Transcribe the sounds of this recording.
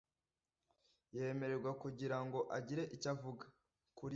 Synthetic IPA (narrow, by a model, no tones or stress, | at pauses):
je̞ːme̞ɾe̞ɾɡwakuɟiɾaŋɡo̞ʔaɟiɾe̞ʔicavuɡa | kuɾ